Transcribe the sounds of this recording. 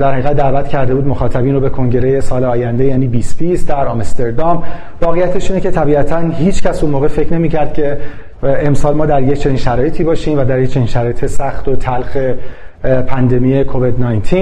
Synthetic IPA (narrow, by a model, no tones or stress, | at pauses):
d̪æɾhæiɣæd̪̚dːæːvæt̪cʰæɾd̪e̞buːd̪moxɒːt̪ʰæbiːnɾobe̞kʰo̞ŋɟe̞ɾeje̞sɒːleɒːjænd̪e̞jæːniːbiːsbisd̪æɾɒmst̪eɾd̪ɒm | vɒːɣejæt̪ʰe̞ʃiːnecʰe̞t̪ʰæbiːæt̪ʰænhiːt͡ʃʰcæsunmoːɣe̞fe̞cʰne̞miːcʰæɾd̪̥cʰe̞ | emsɒːlmɒːd̪æɾject͡ʃʰe̞niːnʃæɾɒːjet̪ʰiːbɒːʃiːmvæd̪æɾject͡ʃʰe̞ninʃæɾɒːjet̪ʰesæxt̪ot̪ʰælxe̞ | pʰænd̪e̞mijekʰo̞vid̪nɒːjnt̪ʰin